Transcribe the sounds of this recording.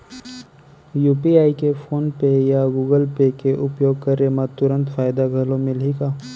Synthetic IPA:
juːpiaːikefʰoːnpejaɡuːɡəlpekeʔʊpjoːɡ̚kɐɾemãt̪ʊɾə̃nt̪fʰaːjd̪aɡʱɐlõmɪlɦikaː

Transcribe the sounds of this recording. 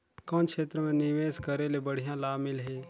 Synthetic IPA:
kɔ̃ːnkʰʃʰeːt̪ɾəmẽnɪʋeːskəɾelebəɽ̤ijãlaːmɪlɦeː

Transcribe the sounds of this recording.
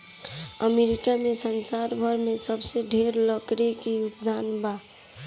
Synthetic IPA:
əmeɾikamesənsaɾbʱəɾmesəbseɖʱeɾləkɾekiupd̪ʱanba

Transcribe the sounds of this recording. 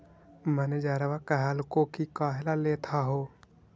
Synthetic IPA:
məned͡ʒaːɾəʋakəɦalkokikaːɦelaleːt̪ʰaɦoː

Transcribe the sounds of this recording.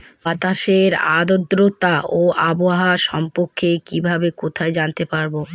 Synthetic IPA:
bat̪aʃeɾa̰d̪od̪ɾot̪aʔoaboaɦaʃɔmpoɾkʰːekibʱabekot̪ʰaed͡ʑant̪epaɾbo

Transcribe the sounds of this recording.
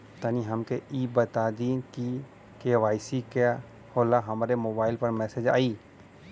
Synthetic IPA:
t̪aniɦɐmkeiːbət̪ad̪iːnki | keʋaːɪsika | hoːlaɦɐmɾemoːbaːɪlpɐɾmɛːsed͡ʒa̰ːiː

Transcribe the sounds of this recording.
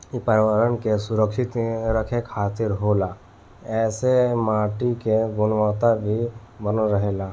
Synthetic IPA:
pəɾɪʋəɾənkesʊɾəkʃɪt̪ɾəkʰekʰaːt̪ɪɾɦoːla | ɛːsemaːʈikeɡʊnʋət̪abʱi | bənoɾəɦeːlaː

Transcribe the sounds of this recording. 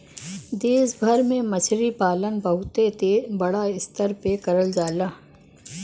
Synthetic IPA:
d̪eːsbʱɐɾmẽmɐʃʰɾipaːlənbɐɦʊt̪et̪ebɐɽaɪst̪əɾpekɐɾəld͡ʒaːlaː

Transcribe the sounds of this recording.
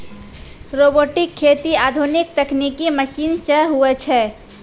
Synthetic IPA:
ɾoboʈɪkʰːet̪iaːd̪ʱunik̚t̪əknikiməʃiːnsə̃ɦuɛt͡ʃʰɛː

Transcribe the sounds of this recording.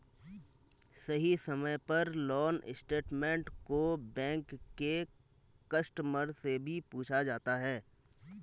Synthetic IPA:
sɐɦisɐməjpɐɾlɔːnɪsʈeːʈmẽːɳʈkobɛ̃ːŋkːe | kɐsʈəməɾsebʱipuːt͡ʃʰad͡ʒaːt̪aɦɛː

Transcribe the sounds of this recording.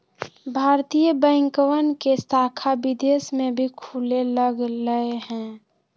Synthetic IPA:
bʱaːɾt̪ijəbə̃ɪ̃ŋkəwənkesaːkʰabɪd̪eːsmẽbʱikʰuleləɡləeɦɛ̃ː

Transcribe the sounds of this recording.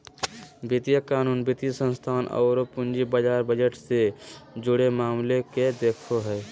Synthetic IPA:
bɪt̪ijəkaːnuːnbɪt̪jəsə̃nst̪ʰaːnɔ̰ːɾopʊnd͡ʒibəd͡ʒaːɾbəd͡ʒəʈsed͡ʒʊɽemaːmleked̪eːkʰoɦɛː

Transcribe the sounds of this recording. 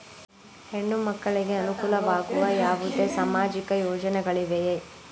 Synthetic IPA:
heɳːumɐkːɐɭiɡeɐnukuːlɐʋaːɡuʋɐjaːʋud̪esaːmaːd͡ʒikɐjoːd͡ʒɐnɛɡɐɭiʋeje

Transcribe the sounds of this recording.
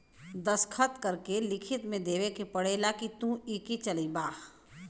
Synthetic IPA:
d̪ɐskʰət̪kɐɾkelɪkʰɪt̪mẽd̪eːʋekepɐɽeːlakit̪ũːiːkit͡ʃɐlibaː

